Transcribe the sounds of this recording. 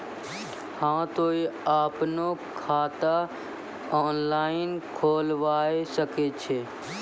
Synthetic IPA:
hãːt̪oːiaːpnokʰaːt̪a | ɔːnlaːɪnkʰoːlʋaːesəket͡ʃʰeː

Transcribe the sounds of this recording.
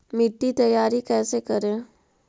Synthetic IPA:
mɪʈːit̪ɐjaːɾikɛːsekɐɾẽː

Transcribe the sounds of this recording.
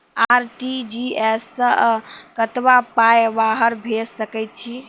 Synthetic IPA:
aɾʈid͡ʒiesːə̃kət̪bapajbaɦəɾbʱessəkɛjt̪̚t͡ʃʰi

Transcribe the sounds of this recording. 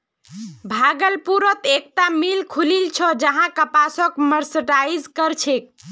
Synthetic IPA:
bʱaɡəlpuɾət̪ek̚t̪amilkʰulilt͡ʃʰɔd͡ʒəɦãkəpasəkməɾsəʈaid͡ʒkəɾt͡ʃʰek̚

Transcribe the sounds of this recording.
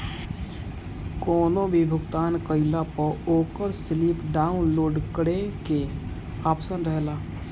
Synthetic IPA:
kɔːnobʱibʱʊɡt̪aːnkəɪlapəoːkəɾsliːpɖaːʊnloːɖkəɽeke | aːpsənɾəɦlaː

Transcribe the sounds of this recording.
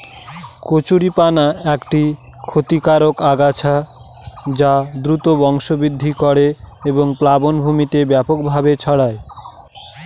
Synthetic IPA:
kot͡ɕuɾipanaɛkʈi | kʰot̪ikaɾokaɡat͡ɕʰa | d͡ʑad̪ɾut̪obɔŋʃobid̪ʱːikɔɽeeboŋplabonbʱumit̪ebɛpok̚bʱabet͡ɕʰɔɽae

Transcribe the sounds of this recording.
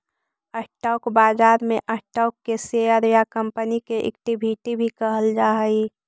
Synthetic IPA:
əsʈaːkbaːd͡ʒaːɾmẽʔəsʈaːkːeseəɾjakəmpənikeʔɪ̰kʈibʱiʈibʱikəɦəld͡ʒaːɦəi

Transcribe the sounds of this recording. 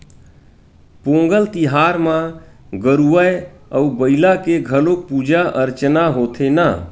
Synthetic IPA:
põːŋɡəlt̪iɦaɾmãɡəɾuəəubəɪlakeɡʱəlok̚pud͡ʒaʔəɾt͡ʃnaɦoːt̪ʰena

